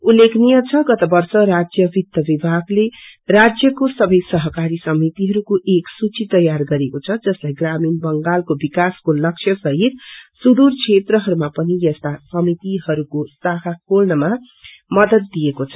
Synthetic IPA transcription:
ulːeknijʌt͡sʰʌɡʌt̪ʌbʌrsʌɾad͡zjʌbid̪jʌbibʱaɡlerad͡zjʌkosʌbʌjsʌɦʌkaɾisʌmit̪iɦʌɾukoʔeksut͡sit̪ʌjarɡʌɾekot͡sʰʌd͡zʌslajɡraminbʌŋɡalkobikaskolʌkʂʰjʌsʌɦit̪̚sud̪urt͡sʰet̪rʌɦʌɾumapʌnijʌst̪asʌmit̪iɦʌɾukosaɦʰakolnʌma | mʌd̪ʌt̪ːijekot͡sʰʌ̥

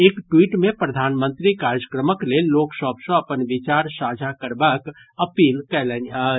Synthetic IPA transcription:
eːkʈwiːʈmẽpɾəd̪ʱaːnmə̃nt̪ɾikaːɾjəkɾəməkleloːkʃɔːpsõɐpənʋɪt͡ʃaːɾsaːd͡ʒʱakəɾbak | əpiːlkɛlɛnaɦ

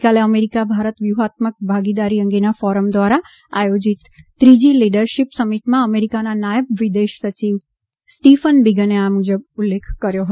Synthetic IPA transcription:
kaleəmeɾikabʱaɾət̪ʋjuɦat̪mək̚bʱaɡid̪aɾiəŋɡenafɔɾəmd̪ʋaɾa | a̰jod͡ʒit̪ː | ɾid͡ʒiliɖəɾʃipsəmiʈmãəmeɾikananajəbʋid̪eʃsət͡ʃiʋ | sʈifənbiɡəneamud͡ʒəb̚ulːekʰkəɾjoɦə

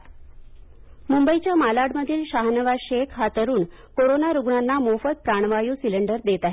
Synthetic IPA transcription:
mumbəit͡ɕjamalaɽməd̪ʱiːlɕaɦnəʋaɕekʰɦat̪əɾuːn | koɾonaɾuɡɳanːamofət̪̚pɾaɳ̃ʋajuːsiləɳɖəɾd̪et̪aɦe

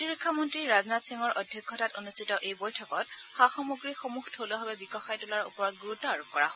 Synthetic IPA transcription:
tiɹikʰːɔmɔntɹiɹaznatsiŋɔɹʔɔdʱjɔkʰːɔtatonustitɔʔejbojtʰɔkɔt̚xaxɔmɔɡɹixomuxtʰoloɦɔbɛbikɔxajtʊlaɹṵpɔɹɔt̚ɡuɹutɔaɹukɔɹa̰ɦ

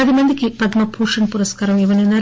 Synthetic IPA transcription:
ɐðimɐnd̪ikʲːipɐd̪mɐpʰuːʂɐɳpuɾɐskaːɾɐmiʋɐnenɐ

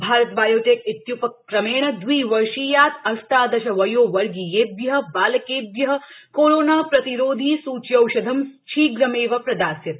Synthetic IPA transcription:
bʱaːɾɐt̪baːjoːʈekit̪jupɐk̚ːɾɐmeːɳ̃ɐd̪ʋiːʋɐɾʃiːjaːt̪ɐst̪aːd̪ɐʃɐʋɐjoːʋɐɾɡijeːbjɐɦɐbaːlɐkeːbjɐɦɐ̆koːɾoːnaːpɾɐt̪iɾoːd̪ʱiːsuːt͡ʃjɐwʃɐd̪ʱɐmt͡ʃʰiːɡɾɐmeːʋɐpɾɐd̪aːsjɐt̪

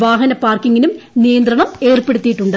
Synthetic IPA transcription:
ʋaːɦɐnɐpːaːrkiŋːinumnijɐnd̪rɐɳɐme̞ːrpeɽut̪ːijiʈːuɳɖɨ

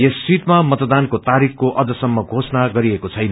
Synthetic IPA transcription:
jesːiʈmamʌt̪d̪ankot̪aɾikkoʔʌd͡zʌsʌmːʌɡʱosnaɡʌɾiekot͡sʰʌjn

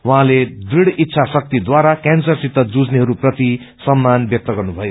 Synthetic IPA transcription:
waɦãled̪riɽit̪ːsʰasʌk̚t̪id̪waɾakansʌrsit̪ːʌd͡zud͡zneɦʌɾuprʌt̪i | sʌmːanbjʌk̚t̪ʌɡʌrnubʱʌjo

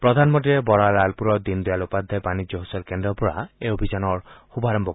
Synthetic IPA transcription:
pɹɔd̪ʱanmɔnʈiɾebɔɹaɾalpuɾɔd̪ind̪ɔjalupad̪ʱːajbanid͡ʒɔɦɔsɔlkendɔpuɹa̰eobʱid͡ʒanɔɹxubʱaɾɔmbɔ

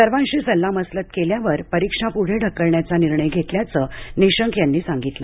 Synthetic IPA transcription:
səɾʋãnɕiːsəlːaməslət̪keljaʋəɾpəɾikʂapuɽ̤eɖʱəkːəɭɳjat͡saniɾɳəjɡʱet̪ljat͡səːniɕəŋkjanːiːsaŋɡit̪lə̰

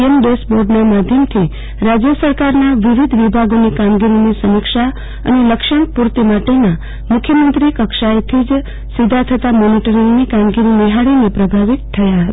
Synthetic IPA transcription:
ənbesboɾɖnamad̪ʱjəmt̪ʰi | ɾad͡ʒjəsəɾkaɾnaʋiʋid̪ʱʋibʱaɡonikamɡiɾinisəmɪkʃa | ə̰neləkʃəɳpuɾt̪imaʈena | mʊkʰjəmənt̪ɾikəkʃaet̪ʰid͡ʒ | sid̪ʱat̪ʰət̪amoniʈəɾiŋɡnikamɡiɾiniɦaɭinepɾəbʱaʋit̪tʰːəjaɦət̪a

